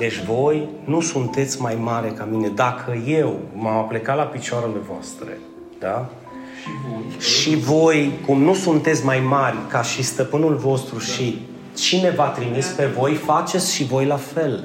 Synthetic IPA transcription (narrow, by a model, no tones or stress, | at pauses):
d̪e̞t͡ʃʲvo̞jnusunt̪e̞t̪sʲmajmaɾe̞kamine̞d̪akʰəje̞wmamaple̞kalapit͡ʃoaɾelevoa̰st̪ɾḛ | d̪a | ʃivo̞jkumnusunt̪e̞t̪sʲmajmarʲkaʃist̪əpɨnulvo̞st̪ɾuʃi | t͡ʃine̞vat̪ɾimispe̞vo̞jfat͡ʃe̞t̪sʲʃivo̞jlafe̞l